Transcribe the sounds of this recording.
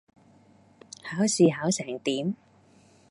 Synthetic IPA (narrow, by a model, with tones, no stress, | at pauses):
haː˨˥wsiː˨˧ɦaː˨˥wsɛː˨˩ŋt̪iː˨˥m